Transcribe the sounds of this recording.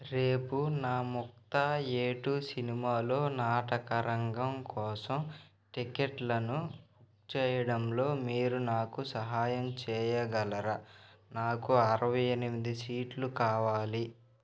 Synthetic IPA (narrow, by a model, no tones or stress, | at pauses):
ɾeːpunaːmuk̚t̪aːeːʈusinimaːlo̞ːnaːʈɐkɐɾɐŋɡɐmkɔːsɐm | ʈikeʈlɐnubukt͡ʃɛːjɐɽɐmlo̞ːmiːɾunaːkusɐɦaːjɐmt͡ʃɛːjɐɡɐlɐɾɐnaːkuɐɾɐʋɐjenimid̪isiːʈlukaːʋaːli